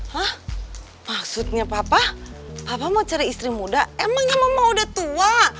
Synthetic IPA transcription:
hah | maksut̪̚ɲapapapapamat͡ʃaɾaist̪ɾimudaemaŋɲamaŋmawdat̪ua

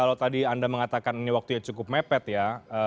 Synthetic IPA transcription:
alawt̪adiandaməŋat̪akaniniwak̚t̪ujat͡ʃukʊp̚mepɛt̪jaə

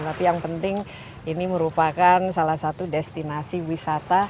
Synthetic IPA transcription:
t̪apijaŋpənt̪ɪŋ | iniməɾupakansalahsat̪udɛst̪inasiwisat̪a

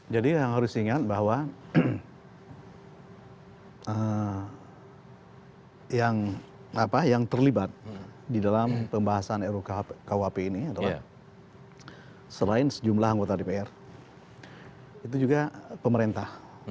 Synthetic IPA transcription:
d͡ʒadijaŋɦaɾʊsiŋat̪̚bahwa | ə | jaŋ | apajaŋt̪ərlibat̪̚didalampəmbaɦasaneɾukkauɦapeiniadala | səlaɪnsəd͡ʒumlahaŋɡot̪adepeɛr | it̪ud͡ʒuɡapəməɾent̪ah

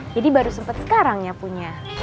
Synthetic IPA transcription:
d͡ʒadibaɾusəmpət̪sə̥kaɾaŋɲapuɲa

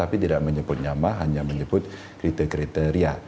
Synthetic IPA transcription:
apit̪idaʔməɲəbʊt̪̚ɲamaɦaɲaməɲəbʊt̪̚ | kɾit̪ɛkɾit̪ɛɾia

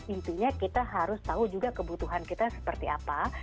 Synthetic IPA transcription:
int̪uɲakit̪aɦaɾʊst̪aud͡ʒuɡakəbut̪uɦankit̪asə̥pərt̪ia̰pa

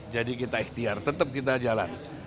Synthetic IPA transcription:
d͡ʒadikit̪aiht̪iart̪ət̪əp̚kit̪̬ad͡ʒala̰n

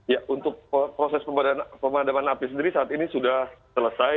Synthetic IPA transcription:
jaʔunt̪ʊk̚pəpɾosɛspəmadaanpəmadamanapis̬əndiɾisaːt̪inisudahsələsaj

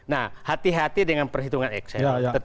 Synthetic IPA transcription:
nahhat̪iɦat̪idəŋanpərɦit̪uŋanɛ̰ksɛjt̪ə

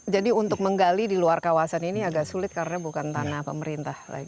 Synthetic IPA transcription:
d͡ʒadiunt̪ʊk̚məŋɡalidiluarkawasaniniaɡaʔsulɪt̪̚kaɾnabukant̪anahpəməɾint̪ahla̰ɡi

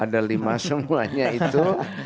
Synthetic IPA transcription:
ʔadalimasəmuaɲait̪u

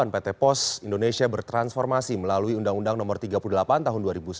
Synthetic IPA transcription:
anpet̪ɛpɔsindonesiabərt̪ɾansfɔrmasiməlaluiundaŋundaŋnɔmɔrt̪iɡapuludəlapant̪aɦʊnduaɾibus

